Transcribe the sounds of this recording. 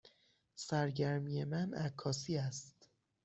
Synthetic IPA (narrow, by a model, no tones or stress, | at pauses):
sæɾɟæɾmije̞mænækʰːɒːsiːæst̪